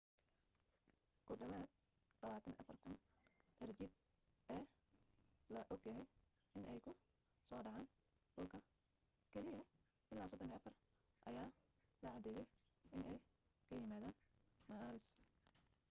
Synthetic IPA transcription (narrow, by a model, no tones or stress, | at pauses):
kʰʊɖɐβaːd̪̚ | lɐβaːt̪ʰɐnʔɐ̰fɐrkʰʊnʔɛrd͡ʒɪd̚ | ʔɛː | lɐʔɔɡjɐɦɛj | ɪnʔɛjkʰʊ | sɔːɖɑʕaːn | ɖʊlkʰɐ | kʰɛlɪjɐ | ʔɪlaːsɔd̪ɔniɐfɐr | ʔɐ̰jaː | lɐʕɑd̪ɛːjɛj | ɪnʔɛjkʰɐjɪmaːðaːnmɐːɾɪs